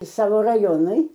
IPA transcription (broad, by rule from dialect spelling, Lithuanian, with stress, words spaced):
ˈsɑːʋoː rɐˈjoːnʊɪ